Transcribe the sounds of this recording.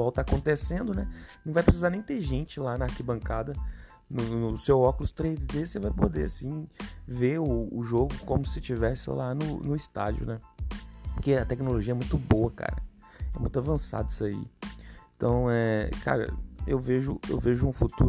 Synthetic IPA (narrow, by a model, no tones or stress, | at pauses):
ɔwt̪akõt̪esẽnd̪ʊnɛnɐ̃vajpɾes̬izaɾnẽj̃t̪eʒẽnt͡ʃɪlanɐaɾkibɐ̃ŋkad̪ɐ | nʊnʊsewɔkʊlʊst̪ɾezd̪esevajpod̪easĩveʊːʒoɡʊkõmʊsɪt͡ʃivɛsɪ̰lanʊnʊɪst̪a̰d͡ʒiʊ̰nɛ | pʊɾkeɐt̪ɛknoloʒiɐɛmũj̃t̪ʊboɐka̰ɾɐ̰ | ɛmũj̃t̪ʊavɐ̃sa̰d̪ʊisaḭẽt̪ɐ̃w̃ɛkʰa̰ɾɐ̰ḛwveʒʊḛwveʒʊũfut̪u